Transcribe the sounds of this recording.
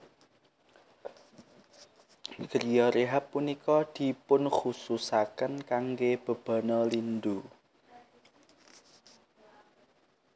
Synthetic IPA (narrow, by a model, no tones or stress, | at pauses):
ɡ̥əɾijɔɾeɦapːunikɔd̪̥i̤pʊnχususakənkaŋɡeb̥ə̤b̥a̤nɔlind̪u